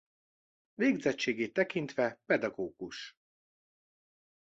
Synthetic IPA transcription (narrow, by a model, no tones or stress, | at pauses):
veːɡzɛt͡ʃːeːɡeːt̪ːɛkint̪ʋɛpɛd̪ɒɡoːɡ̥uʃ